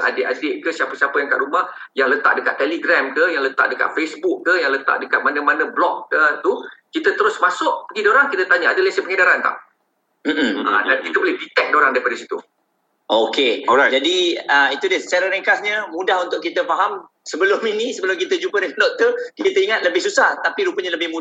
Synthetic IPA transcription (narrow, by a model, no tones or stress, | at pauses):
ʔa̰deʔadɪʔ̚kəsiapəsiapajanəka̰ʔɾumah | jaŋlət̪a̰ʔ̚dəkat̪ːeliɡɾamkəjaŋlət̪a̰ʔ̚dəka̰t̪̚fesbukːəjaŋlət̪a̰ʔdəkat̪̚manəmanə̃blɔk̚ːət̪ukit̪ət̪əɾʊsmasʊʔ̚pəɡidoɾaŋkit̪ət̪aɲaadəlesəpəŋədaɾant̪a̰ʔ | m̩m̩a̰dankit̪əbolɪhbit̪ɛk̚doɾaŋdaipadasit̪ṵ | ʔoked͡ʒadiəit̪udəsaɾəɾeŋkasɲəmudaɦunt̪ʊʔkit̪əfaɦam | səbəlʊminisəbəlʊmkit̪əd͡ʒupədəkadɔʔt̪ukit̪əiŋat̪̚ləbɪhsusaht̪apiɾupəɲaləbɪhmu